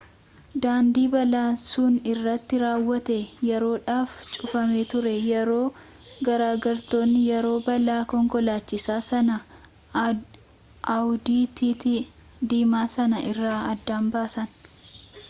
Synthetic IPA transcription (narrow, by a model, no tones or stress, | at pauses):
d̪aːnd̪iːbɐlaːnsʊːnɪrːɐt̪ːɪɾaːwːɐt̪ɛjɛɾo̞ːᶑaːft͡ʃʼʊfɐme̞ːt̪ʊɾɛjɛɾo̞ː | ɡɐɾaːɡɐɾt̪o̞ːnːɪjɛɾo̞ːbɐlaːkɔŋkɔlaːt͡ʃːɪsaːsɐnɐ | ʔɐwd̪iːt̪iːt̪i | d̪iːmaːsɐnɐʔɪrːaːɐd̪ːaːmbaːsɐn